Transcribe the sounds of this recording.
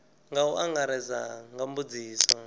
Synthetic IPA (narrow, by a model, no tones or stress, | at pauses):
ŋɡauʔaŋɡaɾɛzaŋɡambud͡ziːsɔ